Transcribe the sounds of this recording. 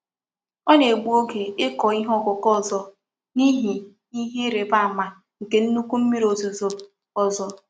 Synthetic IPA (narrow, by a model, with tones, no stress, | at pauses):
ɔ˦ne˨ɡ͡bu˨o˦ɡe˨ɪ˦kɔ˨i˦ɦɔ˦˨kʊ˨kɔ˦˨zɔ˨ | ni˦ɦi˨ | i˦ɦe˦ɾe˨ba˦a˨ma˨ | ŋ̩˨ke˨n̩˦nu˦ku˦m̩˦mi˦ɾo˨zo˨zo˨ | ɔ˨zɔ˨